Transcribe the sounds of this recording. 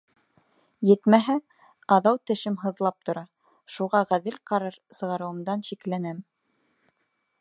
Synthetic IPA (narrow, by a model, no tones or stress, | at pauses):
jɘ̆t̪mæɦæ | ɑðɑwt̪ɘ̆ʃɘmɦɤ̆ðlˠɑp̚t̪ŏɾɑ | ʃuʁɑʁæðɘlqɑɾɤɾsɤ̆ʁɑɾɤ̆wɤ̆md̪ɑnʃiklænæm